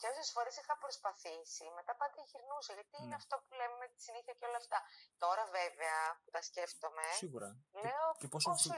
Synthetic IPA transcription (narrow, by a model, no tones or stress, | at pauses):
cosesfo̞ɾesixɐpɾo̞spɐθisime̞t̪ɐpɐd̪ɾiçiɾnusɐʝɐt̪iineɐft̪o̞pulemmet̪i̥siniθiɐceo̞lɐːft̪ɐt̪o̞ɾɐve̞veɐput̪ɐsce̞ft̪o̞me̞iɣuɾɐle̞oepos